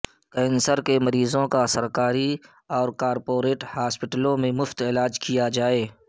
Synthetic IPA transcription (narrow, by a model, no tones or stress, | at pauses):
kɛːnsəɾkemɐɾiːzõkasəɾkaːɾi | ɔːɾkaːɾpoːɾeːʈhaːspɪʈəlõmẽmʊft̪ɪːlaːd͡ʒkijad͡ʒaːeː